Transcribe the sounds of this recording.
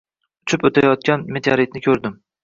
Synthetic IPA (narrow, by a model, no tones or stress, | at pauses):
ʊt͡ʃʰʊpɵt̪ʰajɒt̪̚kʲanmet̪ʰaɾɪt̪̚nɪkʲʰɵɾd̪ɪm